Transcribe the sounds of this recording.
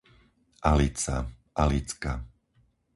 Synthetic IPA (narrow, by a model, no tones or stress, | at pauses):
ʔalit͡sa̰ | ʔalit͡ska